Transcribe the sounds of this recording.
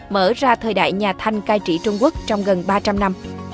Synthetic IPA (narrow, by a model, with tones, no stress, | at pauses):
məː˧˩zaː˧t̪ʰəː˨˩jɗa̰ː˧˨jɲaː˨˩t̪ʰa˧jŋ̟kaː˧jt͡ɕḭ˧˩t͡ɕʊ˧ŋ͡mku˦˥ək̚t͡ɕɔ˧wŋ͡mɣə˨˩nɓaː˧t͡ɕa˧mna˧m